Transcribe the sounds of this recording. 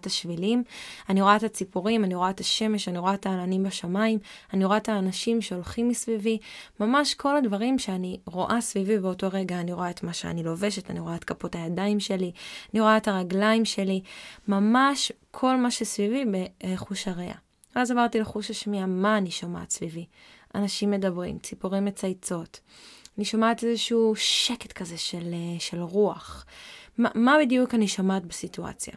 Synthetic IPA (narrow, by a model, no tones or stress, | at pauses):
taʃvilimaniʁoaetat͡sipuʁimaniʁo̞aetʰaʃe̞me̞ʃaniʁo̞aetaːlanimbaʃamaimaniʁoaetʰaːnaʃimʃe̞o̞lχimːisvivimamaʃkʰo̞ladvaʁimʃeaniʁo̞ʔasvivibeo̞to̞ʁe̞ɡaːniʁo̞aetmaʃḛa̰nilo̞ve̞ʃe̞taniʁo̞aetkapo̞tajadaimʃe̞lianiʁo̞aetaʁaɡlaimʃe̞limamaʃkʰo̞lmaʃesvivibeχuʃhaʁḛʔa̰ | veazavaʁtileχuʃaʃmiamaːniʃoma̰ːtsvivi | ʔanaʃimːe̞dabʁḭmt͡sipuʁimːet͡sajt͡so̞t | aniʃomaːtezeʃuʃeketkʰaze̞ʃeleʃe̞lʁuaχmamabidjukaniʃomaːtbesitua̰t͡sja̰